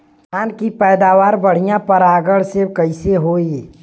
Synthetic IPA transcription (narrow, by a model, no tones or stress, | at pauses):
aːnkipɛːd̪aːʋaːɾbəɽ̤ijãpɐɾaːɡəɽsekɐɪseɦoːi